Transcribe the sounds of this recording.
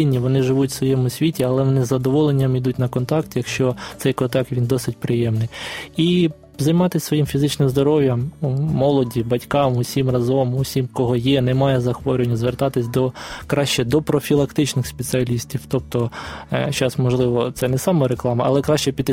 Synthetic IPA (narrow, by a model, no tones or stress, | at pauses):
ɪnʲːiʋɔnɪʒɪʋutʲsʋɔjɛmʊsʲʋʲitʲiɐlˠɛʋɔnɪzɐd̪ɔʋɔlˠenʲːɐmid̪utʲnɐkɔnt̪ɑkt̪jɐkʃt͡ʃɔt̪ɛjkɔt̪ɑkʋʲind̪ɔsɪtʲpɾɪjɛmnɪji | zɐjmɑt̪ɪsʲsʋɔjimfʲizɪt͡ʃnɪmzd̪ɔɾɔʋʲjɐmːɔlˠɔdʲibɐtʲkɑmʊsʲimrɐzɔmʊsʲimkɔɦɔjɛnɛmɑjɛzɐxʋɔɾʲʊenʲːɐzʋert̪ɑt̪ɪsʲd̪ɔkɾɑʃt͡ʃɛd̪ɔpɾɔfʲilˠɐkt̪ɪt͡ʃnɪxspʲet͡s̪ʲiɐlʲisʲtʲiwt̪ɔp̚t̪ɔt͡ʃɑsmɔʒlˠɪʋɔt̪sɛnɛsɑmɔɾeklˠɑmɐʔɐ̰lˠɛkɾɑʃt͡ʃɛpʲid̪